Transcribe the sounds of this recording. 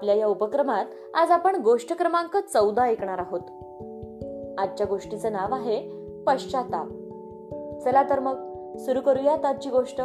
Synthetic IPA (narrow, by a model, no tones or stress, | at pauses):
ljajaupəkɾəmat̪ | ad͡zapəɳɡoʂʈəkɾəmãŋkət͡səwd̪aekɳaɾaɦot̪ | ad̪̚t͡ɕjaɡoʂʈit͡sənaʋaɦe | pəɕt͡ɕat̪a | t͡səlat̪əɾməɡ̚ | suɾuːkəɾujat̪at͡ɕiːɡoʂʈə